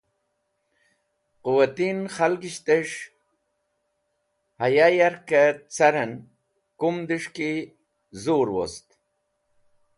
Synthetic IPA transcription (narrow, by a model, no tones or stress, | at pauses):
quwat̪inχalɡiɕt̪eʂ | hajajaɾkat͡saɾɐn | kumd̪iʂki | zuɾwo̰st̪